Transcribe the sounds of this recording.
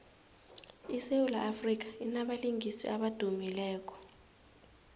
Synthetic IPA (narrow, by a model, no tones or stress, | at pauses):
iseulaʔːfrik̬ḁinaɓaliŋisḭʔaɓad̥ʱumilɛːk̬ʼɔ̥